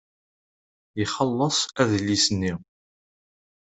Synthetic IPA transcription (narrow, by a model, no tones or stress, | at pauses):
jiχəlːəsˤæðlːisənːi